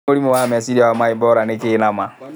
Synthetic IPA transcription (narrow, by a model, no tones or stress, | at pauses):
olimuwamɛsiɾiawamaibɔɾanekinama